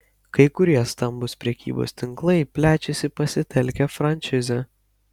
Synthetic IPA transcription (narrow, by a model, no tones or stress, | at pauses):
kɐɪkʊɾʲiɛst̪ɐmbʊspʲɾʲɛkʲḭːbo̰ːst̪ʲɪŋklˠɐɪpʲlʲæːt͡ʃʲɛsʲɪpɐsʲɪt̪ʲɛlʲkʲɛfɾɐnʲt͡ʃʲɪzʲɛ